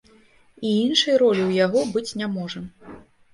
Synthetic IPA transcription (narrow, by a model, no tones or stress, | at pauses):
iinʂɐjɾɔlʲiwjaɣɔbɨt͡sʲnʲamɔʐɐ